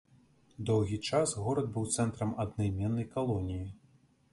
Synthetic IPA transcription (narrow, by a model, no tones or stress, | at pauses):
d̪ɔwɣʲit͡ʂasɣɔɾɐd̪̚bɨwt̪sɛnt̪ɾɐmɐd̪najmʲɛnːɐjkalˠɔnʲiji